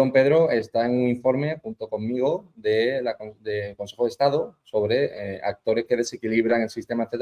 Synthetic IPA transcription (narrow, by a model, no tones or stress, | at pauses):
o̞mpe̞ðɾoest̪ae̞ŋuŋiɱfo̞ɾme̞xunt̪oko̞mːiɣ̞oðelakd̪elko̞nse̞xoðest̪aðoso̞βɾe̞a̰k̚t̪o̞ɾe̞shke̞ðe̞sekiliβ̞ɾaŋe̞lsist̪e̞maθet̪